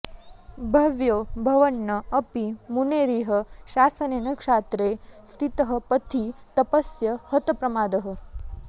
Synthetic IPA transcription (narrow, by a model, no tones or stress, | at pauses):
bʱɐʋjoːbʱɐʋənːəːpimuneɾiɦəʃasənenəkʂaːt̪ɾest̪ʰit̪əɦəpət̪ʰit̪əpəsjəhət̪əpɾɐmaːd̪əɦə̆